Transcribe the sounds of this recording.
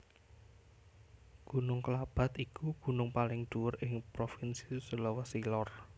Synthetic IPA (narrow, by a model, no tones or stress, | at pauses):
ɡ̥ṳnʊŋkəlab̥a̤t̪ikuɡ̥ṳnʊŋpalɪŋd̪̥uwʊrɪŋpɾofinsi̥səlɔwasilɔr